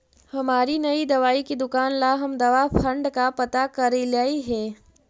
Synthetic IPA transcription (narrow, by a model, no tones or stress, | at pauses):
hɐmaːɾinɐid̪ɐʋaːikid̪ʊkaːnlaɦɐmd̪ɐʋapʰɐ̃ɳɖkapɐt̪akɐɾilaːiɦɛː